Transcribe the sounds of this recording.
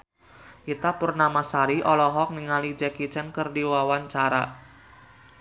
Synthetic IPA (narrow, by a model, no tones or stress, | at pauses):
ʔit̪apurnamasaɾiʔɔlɔɦɔk̚niŋalid͡ʒɛkit͡ʃɛnkərdiwawant͡ʃaɾa̰